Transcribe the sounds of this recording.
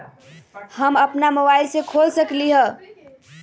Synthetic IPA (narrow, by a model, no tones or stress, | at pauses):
həməpnamobailsekʰolsəkliɦə